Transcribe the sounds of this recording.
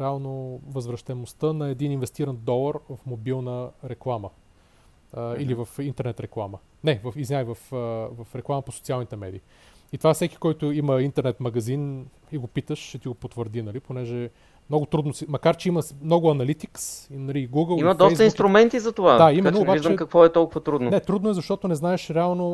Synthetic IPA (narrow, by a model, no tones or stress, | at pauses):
ɾɛalˠnovəzvɾəʃt̪ɛnost̪ənɐɛd̪ininvɛst̪iɾənd̪ɔlˠəɾvɐfmobilˠnəɾɛklˠamə | ilivɐfint̪ɛɾnɛt̪ɾɛklˠamə | nɛvəfiznʲajvɐfvɐfɾɛklˠaməposot̪sialˠnit̪ɛmɛ̰d̪ḭː | it̪ovafsɛkʲi̥kɔjt̪ʊiməint̪ɛɾnɛt̪mɐɡɐzin | iɡopit̪əʃʃɛt̪iɡopot̪vəɾd̪inɐliponɛʒɛ | mnɔɡʊt̪ɾud̪nosimɐkaɾt͡ʃɛiməmnɔɡʊɐnɐlit̪iksinɐliɡuɡəlˠiməd̪ɔst̪əinst̪ɾʊmɛnt̪izɐt̪ovad̪aimɛnoːbaiʒt͡ʃd̪əmɛkɐkvɔɛt̪ɔlˠkʊvət̪ɾud̪nonɛt̪ɾud̪noɛzɐʃt̪ɔt̪onɛznaɛʃɾɛalˠno